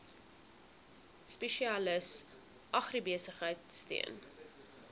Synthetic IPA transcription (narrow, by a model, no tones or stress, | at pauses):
speʃiɑləs | ʔɐχribiəsəχɦəjtstḭən